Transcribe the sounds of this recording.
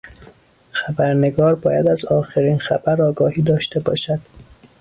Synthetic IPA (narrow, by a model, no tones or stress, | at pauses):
xæbæɾne̞ɡɒːɾbɒːjæd̪æzɒːxeɾiːnxæ̰bæɾɒːɡɒːhiːd̪ɒːʃt̪e̞bɒ̰ːʃæd̪̥